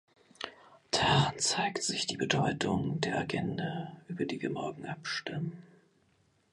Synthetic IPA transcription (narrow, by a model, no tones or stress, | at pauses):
d̥aːʁant͡saɪktz̥ɪçd̥iːbədɔʏtʰʊŋd̥eːɐʔaɡɛndaʔyːbɐdiːviːɐmɔɐɡŋ̩ʔapʃtɪmən